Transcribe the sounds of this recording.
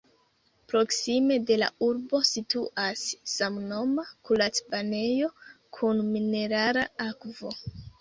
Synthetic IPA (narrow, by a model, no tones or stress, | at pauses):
pɾo̞ksime̞de̞la̰uɾbo̞situʔasːamno̞makulat͡spane̞jo̞kʰunmine̞ɾaɾaakvo̞